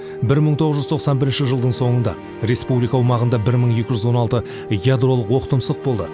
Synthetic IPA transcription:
bɪɾməɴt̪ʰoʁəzʒʏzt̪ʰo̞qsɑnbɪɾɪnʃɪʒəlˠd̪əɴso̞ɴənd̪ɑ̰ | ɾe̞spublijkawəmɑʁənd̪ɑbɪɾməɴe̞kʲɪʒʏzwo̞nɑlˠt̪ə | ɡjad̪ro̞lˠəqwo̞qət̪əmsəq̚bo̞lˠd̪ə

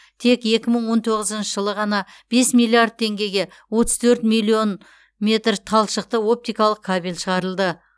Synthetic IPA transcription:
t̪ʰe̞kje̞kʲɪməɴwo̞nt̪ʰo̞ʁəzənʃəʒəlˠəʁɑnɑ | b̥e̞smilʲˠiard̪̚t̪ʰe̞ŋɡʲe̞jɡʲe̞ | wo̞t̪əzt̪ʰɵɾt̪milʲˠio̞n | me̞t̪rt̪ʰɑlˠʃəq̚t̪əo̞p̚t̪ijkɑlˠəq̚kʰabilʲʃəʁɑɾəlˠd̪ə

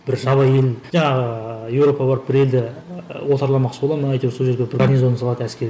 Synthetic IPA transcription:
b̥ɪɾʒɑβɑjelʒɑɴɑʁəjewɾo̞pɑbɑɾəp̚bɪɾe̞ld̪ɪwot̪ɑɾlˠɑmɑqʃəbolˠɑmənɑjt̪eso̞lˠʒe̞ɾɡʲebɪɾɡarnizo̞nsɑlˠɑt̪ənæskʲe̞ɾ

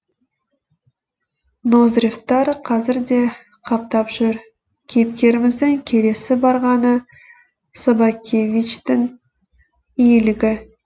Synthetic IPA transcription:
nozrift̪ːɑɾqʰɑzɪɾd̪e̞ | qʰɑp̚t̪ɑpʒ̥ʏɾ | kʲʰep̚kʲe̞ɾɪmɪzd̪ɪŋkʲʰe̞le̞sɪbɑɾʁɑnə | sobɑkʲʰe̞vʲit͡ʃt̪ɪŋ | ijlɪɡʲɪ

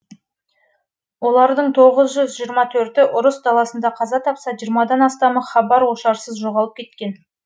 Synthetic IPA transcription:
wo̞lˠɑɾd̪əɴt̪ʰo̞ʁəzʒʏzʒijəɾmɑt̪ʰɵɾt̪ɪʔʊɾəsd̪ɑlˠɑsənd̪ɑqʰɑzɑt̪ʰɑpsɑʒijɾmɑd̪ɑnɑst̪ɑməχɑbɑɾwoʃɑɾsəzʒo̞ʁɑlˠəp̚kʲʰe̞t̪kʲe̞n

